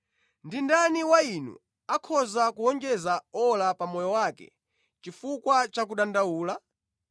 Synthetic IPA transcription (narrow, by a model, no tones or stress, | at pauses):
ndindaniwainṵ | akʰɔzakuɔnd͡ʒɛzaɔlapamɔjɔwakɛ̰ | t͡ʃifukwat͡ʃak̬uɗandawuːla